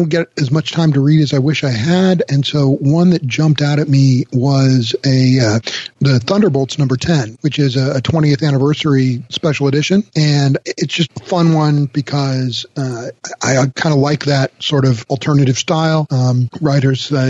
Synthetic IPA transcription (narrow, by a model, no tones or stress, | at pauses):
doʊ̃nɡ̥ɛɾɨzmʌt͡ʃtʰãɪ̃mtɨɹiɾɨzaɪwɪʃaɪɨɾɨ̃nsoʊwʌ̃nðɨt̚d̥ʒ̥ʌ̃mp̚taʊɾɨt̚miwʌzɨ | ðɨθʌ̃ndə˞boʊlˠtsnʌ̃mbə˞tʰɛ̃nwɨt͡ʃɪzɨɨtʰw̥ɛ̃ɾ̃iɨθæñɨvɜ˞sə˞ispɛʃl̩ˠədɪʃɨ̃nɨ̃nɨtsd̥ʒ̥ʌstəfʌ̃nwʌ̃nb̥ɨkʰʌzʌaɪkʰãɪ̃ndəlaɪk̚ðɨt̚sɔɹɾʌvl̩ˠtʰɜ˞nɨɾɨv̥staɪlˠɹaɪɾə˞z̥